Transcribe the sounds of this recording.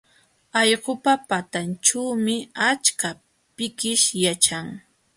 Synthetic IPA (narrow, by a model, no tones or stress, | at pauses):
ɑjɢʊpapat̪ant͡ʃawmɪat͡ʃka | pɪkɪʃjat͡ʃaŋ